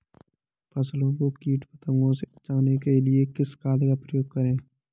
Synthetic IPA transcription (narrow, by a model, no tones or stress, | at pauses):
pɐslõkokiːʈpət̪ə̃ŋõseɐt͡ʃaːnekelɪekɪskaːlkapɾəjoːɡ̚kəɾẽː